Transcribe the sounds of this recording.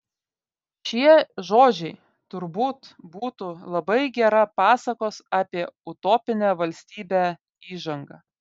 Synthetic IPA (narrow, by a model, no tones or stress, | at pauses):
ʃʲiɛʒoːd͡ʒʲɛɪ | t̪ʊɾbuːt̪buːt̪ulˠɐbɐɪɡʲɛɾɐpɑːsɐkoːsɑːpʲiɛʊt̪oːpʲɪnʲæːʋɐlʲsʲt̪ʲiːbʲɛː | iːʒɐŋɡɐ